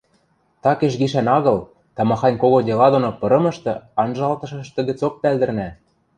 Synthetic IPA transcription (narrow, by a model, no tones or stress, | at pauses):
t̪ɑkĕʃ̬ɣiʃænɑɣɤ̆l | t̪ɑmɑxɑnʲkoɣod̪ʲelɑd̪onopɤ̆ɾɤ̆mɤ̆ʃt̪ɤ̆ɑnʒɑlt̪ɤ̆ʃɤ̆ʃt̪ɤ̆ɣɘ̆t͡sok̚pæld̪ɘ̆rnæ